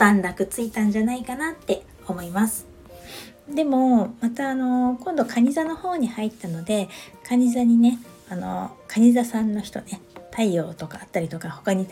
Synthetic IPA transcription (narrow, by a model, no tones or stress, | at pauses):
d̪ãnd̪akɯ̟t͡sɨit̪ãɲ̟d͡ʑanaikanat̪ːe̞ | o̞mo̞imasɨ̥ | d̪e̞mo̞mat̪aːno̞kõ̞nd̪o̞kʰaɲ̟izano̞ho̞ːɲ̟ihait̪ːano̞d̪e̞kʰaɲ̟izaɲ̟ine̞ | ano̞̰kʰaɲ̟izasãnːo̞çi̥t̪o̞̰ne̞t̪ʰaio̞ːt̪o̞kaːt̪ːaɾʲit̪o̞kaho̞kaɲ̟i